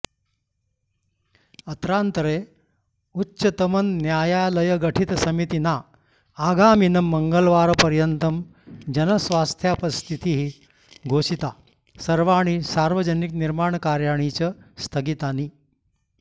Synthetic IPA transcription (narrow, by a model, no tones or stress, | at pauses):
ət̪ɾant̪ɾe | utːɕət̪əmənːjajaləjəɡəʈʰit̪sɐmit̪inaː | ɡaminəməŋɡəlʋaɾpəɾjənt̪əm | d͡ʑənəsʋast̪ʰjapəst̪ʰit̪iɦi | ɡʱoɕit̪a | səɾʋaɽ̃isaɾʋəd͡ʑənikniɾmaɳkaɾjaɳ̃it͡ɕəst̪ʰəɡit̪aniː